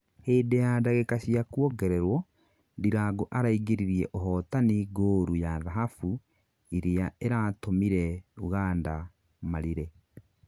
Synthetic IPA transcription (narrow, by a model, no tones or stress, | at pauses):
heːdejadaɣekasiakwɔɡɛɾɛɾwɔ | diɾaɡoʔaɾaiɡeɾiɾiɛ̰ʔoɦɔtaniɡoːɾujaðaɦafu | iɾeaeɾatomiɾɛuɣaːnda | maɾiɾe